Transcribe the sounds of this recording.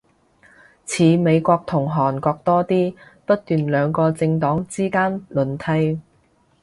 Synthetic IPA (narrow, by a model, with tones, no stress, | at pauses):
t͡sʰiː˨˧me˨˧jkʷɔː˧k̚t̪ʰʊ˨˩ŋɦɔː˨˩nkɔː˧k̚t̪ɔː˥t̪iː˥pɐ˥t̚t̪yː˨nlœː˨˧ŋkɔː˧t͡sɪ˧ŋt̪ɔː˨˥ŋt͡siː˥kaː˥nlɵ˨˩nt̪ʰɐ˧j